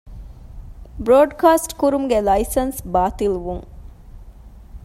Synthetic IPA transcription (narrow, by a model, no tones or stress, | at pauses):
bɾoːɖkaːsʈkuɾumɡelɐisɐnsbaːt̪ilʋuŋ